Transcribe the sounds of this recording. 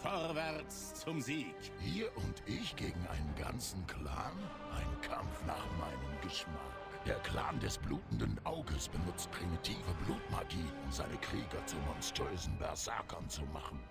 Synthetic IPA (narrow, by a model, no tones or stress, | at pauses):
fɔʁvɛʁt͡s | t͡sʊmziːk | ʔiːɐʔʊntʔɪçɡ̥eːɡŋ̩ʔaɪnənɡa̰nt͡sn̩kʰl̥a̰ːn | ʔaɪnkʰamfna̰ːχmaɪnəmɡəʃmak | d̥eːɐkʰl̥a̰ːndɛsb̥luːtn̩dənʔaʊɡəsb̥ənʊt͡st̚pʁ̥imitʰiːvəbluːtmaɡiːʔʊmzaɪnəkʁ̥iːɡɐt͡sumɔnstʁœːzn̩bɛ̰ɐsa̰ːkʰɐnt͡suma̰χn̩